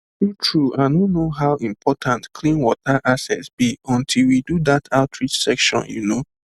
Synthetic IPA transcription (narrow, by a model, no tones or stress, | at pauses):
tutʰɹuʔaɪnõnːoɦawʔĩmpʰɔtʰãntkʰlĩnwɔtaʔasɛ̰tsb̥iɔ̃ntʰilwidudatʰaʊtʰɹit͡ʃsɛkʃɔ̰̃njṵno